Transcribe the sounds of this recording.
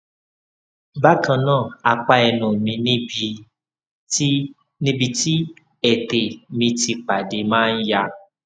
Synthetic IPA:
ba˦kã˧nãː˦˨a˧k͡pa˦ɛ˧nũ˨mĩ˧nĩ˦bi˧˦ | nĩ˦bi˧ti˦ | ɛ˨te˨mĩ˧ti˧k͡pa˨de˨˧mãː˦˧n̩˦ja˧

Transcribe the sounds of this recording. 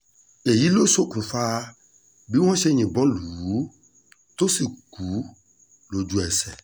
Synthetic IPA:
e˨ji˦lo˦so˦ku˨fa˦ | bi˦wɔ̃˦ʃe˦ɲĩ˨bɔ̃˦lu˨wu˨˦ | t̪o˦si˨ku˨˦ | lo˨d͡ʒu˨ɛ˨sɛ̰˨

